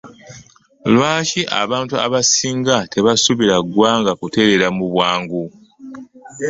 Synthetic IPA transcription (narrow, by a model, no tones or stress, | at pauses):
lwaːciʔa̰βaːntua̰βasiːŋɡate̞βasuβiɾaɡwaːŋɡakute̞ɾe̞ɾamuβwaːŋɡu